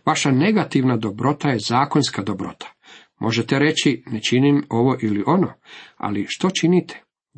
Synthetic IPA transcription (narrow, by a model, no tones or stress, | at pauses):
ʋaʃane̞ɡat̪iʋnad̪o̞bɾo̞t̪ajezaːko̞nskad̪obɾo̞̰t̪ʰḁ | mʔo̞̰ʒet̪eɾe̞t͡ɕinet͡ʃinimo̞ʋo̞ʔiliʔo̞noa̰liʃt̪o̞t͡ʃinit̪ʰe̥